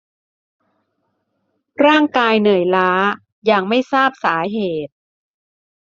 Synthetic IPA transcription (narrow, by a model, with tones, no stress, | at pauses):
ɾaː˥˩ŋkaː˧jnɯ˨˩əjlaː˦˥ | jaː˨˩ŋma˥˩jsaː˥˩p̚saː˩˦ɦeː˨˩t̪̚